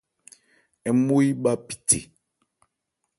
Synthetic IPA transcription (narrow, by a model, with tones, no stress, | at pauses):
ɛ˨mo˦i˦ɓa˦pi̥˨tʰḛ˨